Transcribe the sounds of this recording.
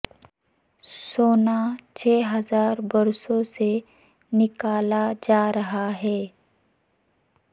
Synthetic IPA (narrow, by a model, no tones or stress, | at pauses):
soːnat͡ʃʰɛːɦɐzaːɾbɐɾsõse | nɪkaːlad͡ʒaːɾɐɦaɦɛː